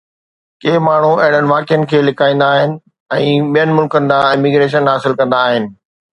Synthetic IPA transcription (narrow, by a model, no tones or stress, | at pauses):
keːmaːɳ̤uɐɦɪɽ̤ənɪ̆ʋaːkɪjənɪ̆kʰeːlɪkʰaːĩːnd̪aːɦɪnɪ̆ | ɛ̃ːɓijənɪ̆mʊlkənɪ̆d̪ãɪmiɡɾeːʃ̬ənɦaːsɪlkɐ̃nd̪aːɦɪnɪ̆